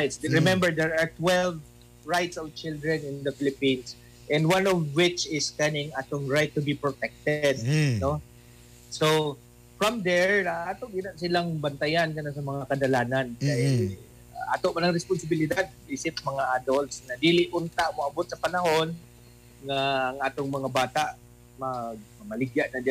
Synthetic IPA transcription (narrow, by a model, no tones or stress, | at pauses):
ɹajt̪sɹɪmɛ̃mbɛɹd̪ɛɹaɹt̪wɛlv | ɹajt̪sɔvt͡ʃɪld̪ɹɛnɪnd̪ɐfɪlɪpĩns | ʔɛ̃nd̪wanɔvwɪt͡ʃɪskɐnɪŋat̪oŋɹajt̪ːʊbipɹot̪ɛk̚t̪ɛd̪̚no | so | fɹamd̪ɛɹaːt̪oʔɡɪnaʔsɪlaŋbɐnt̪ajankɐnasɐmɐŋakɐd̪ɐlaːnankaʔɛ | aʔat̪oʔmɐnɐŋɾɛspʊnsɪbɪlɪd̪ad̪̚ʔisɪt̪̚mɐŋaʔad̪olt̪snɐd̪iːlɪʔʔʊnt̪aʔmoʔɐbot̪̚sɐpɐnɐɦon | ŋaːŋʔaːt̪oŋmɐŋabaːt̪aʔ | mɐɡ̚mɐmɐlɪɡjaʔnɐd͡ʒ